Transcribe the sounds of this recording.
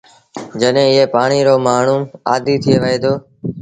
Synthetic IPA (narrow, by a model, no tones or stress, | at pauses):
d͡ʒəɗɦẽːɪɦeːpaːɳiːɾoːmaːɳ̤ũːaːd̪iːt̪ʰɪjeːʋəɦeːd̪oː